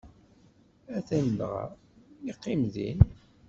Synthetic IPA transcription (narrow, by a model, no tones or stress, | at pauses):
æθænd̪ʁa̰ | iqːɪmðḭn